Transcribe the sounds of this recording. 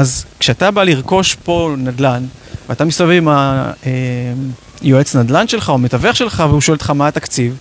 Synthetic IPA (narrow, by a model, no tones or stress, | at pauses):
ʔazkʃeat̪abaliʁko̞ʃpo̞nad̪lan | veat̪amisavevimae | joet͡snad̪lanʃe̞lχaomet̪aveχʃe̞lχaveuʃoelt̪χamat̪akt͡siv